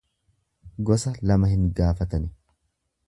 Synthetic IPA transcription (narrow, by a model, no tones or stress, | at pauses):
ɡɔsɐlɐmɐhɪŋɡaːfɐt̪ɐnɪ